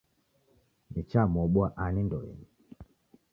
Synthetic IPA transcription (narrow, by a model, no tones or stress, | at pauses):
nit͡ʃamɔɓuaʔanindɔjɛ̰ni